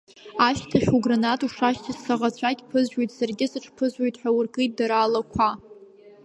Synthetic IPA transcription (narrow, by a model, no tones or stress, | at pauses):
aʃtʰaχʲuɡranatʼuʂaʃtʰɨssaʁat͡ɕʷʰakʲpʰɨzʒᶣojtʰʼsarɡʲɪsɨʈ͡ʂʰʼpʰɨzojtʼħʷᶣawʊrkʰʼɨjt̚daɾaːlakʷʰa